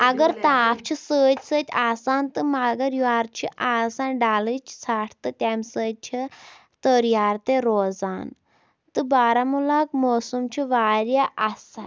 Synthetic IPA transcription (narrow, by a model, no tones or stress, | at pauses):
ɐɡəɾt̪aːpʰt͡ʃʰisəːt̪ʲsət̪ʲaːsant̪ɨmaɡəɾjuaːɾt͡ʃʰiʔasanɖalɨt͡ʃʰsaʈʰt̪ɨt̪ʲamsəːd̪̚ʲt͡ʃʰi | t̪əɾjaːɾt̪eɾoːd͡zan | t̪ɨbaːɾamulakmɔːsumt͡ʃʰiʋaɾjaʔasa̰t̪